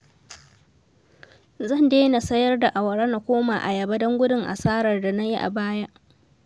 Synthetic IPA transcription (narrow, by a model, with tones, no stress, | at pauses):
zɐ˦˨ndeː˦na˨sɐ˦jɐ˦rda˨ʔa˨wɐ˨ɽɐ˦na˨kʷoː˦maː˨ʔa̰˨jɐ˨ba˦dɐ˦ŋɡʷʊ˦dɪ˦ŋʔa̰˨saː˦ɽɐ˨rda˨na˦ji˦ʔa̰˨baː˦ja˦ʔ